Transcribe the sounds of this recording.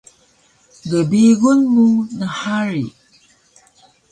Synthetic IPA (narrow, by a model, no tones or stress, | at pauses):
ɡəbiɣunmunəħaɾḭ